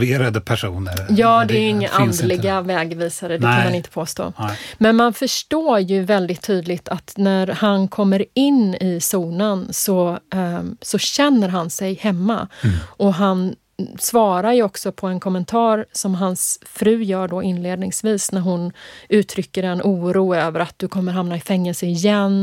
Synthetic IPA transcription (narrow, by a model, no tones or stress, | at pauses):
veːɾad̪əpʰæʂṵːnə̰jɑːd̪ɛæɾɪŋːaʔand̪lɪɡavɛːɡviːsaɾəd̪ɛk̪ʰanmanɪnt̪ə̥pʰoːst̪o̰ːmɛnmanfœʂʈoːjɵvɛld̪ɪt̪ʰːyːd̪lɪt̪ʰat̪næɾhankʰɔmːəɾɪnːɪsuːnənsɔ | sɔɕɛnːəɾɦansɛjhɛmːa̰ɔɦan | svɑːɾaɾjɔksɔpʰɔɛnkʰɔmːɛnt̪ʰɑːɾsɔmɦansfɾʉ̟ːjœːɖɔɪnleːd̪nɪŋsviːsnæɾɦʊnʉ̟ːt̪ʰɾʏkːəɾɛnʔuːɾuːøːvəɾat̪̚d̪̥ɵkʰɔmːəɾɦamnaɪfɛŋːɛlsəɪjɛn